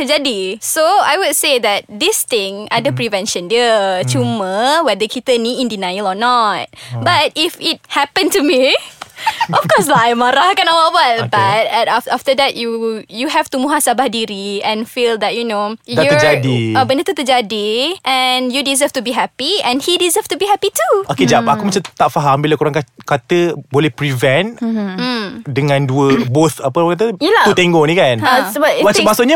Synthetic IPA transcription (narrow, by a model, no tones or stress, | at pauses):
t̪əd͡ʒadisoajwudsed̪ɛt̚d̪ist̪ɪ̃ŋa̰dəpɾivɛ̃nʃə̃ndiət͡ʃuməwɛdəkit̪əniĩndinajəlɔnɔt̚bat̚ifit̚hɛpə̃ntumi | ɔfkɔs̬laajmaɾahkãnawawat̚bat̚tafaftədɛt̚jujuɦɛftumuɦasabahdiɾiɛ̃nfild̪ɛt̚junoj̪d͡ʒadiabəndət̪ut̪əd͡ʒadiʔɛ̃njudizəftubiɦɛpiɛ̃nhidizəftubiɦɛpituoked͡ʒapakumat͡ʃamt̪aʔfaɦambilakuɾaŋkakat̪əbolɛhpɾivɛ̃n̩ | dəŋãnduəbot̪apəakat̪̬əjəlt̪ut̪ẽŋɡɔŋnĩkanasəbamamasʊʔɲə